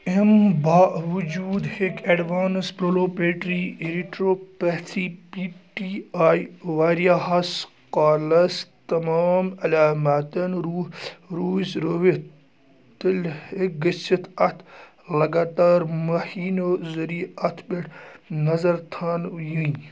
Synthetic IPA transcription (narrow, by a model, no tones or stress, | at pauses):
embaːʔʋud͡ʒuːd̪hekʰeɖʋaːnspɾoloːpeːʈɾiːɾiʈɾoːpɐt̪ʰiːpiːʈiaːjʋaːɾjaɦɐs | qaːlɐst̪ɐmaːmɐlaːmat̪ɐnɾuːɾuːisɾoʋi | t̪ɨlhek̚ɡɐsit̪ʰɐt̪ʰ | lɐɡaːt̪aːɾmɐhiːnoːzɐɾiɐt̪ʰbeʈnɐzɐɾt̪ʰaːnju